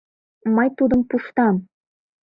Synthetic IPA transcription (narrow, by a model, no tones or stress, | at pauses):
mɤjt̪ud̪əmpuʃt̪ɑm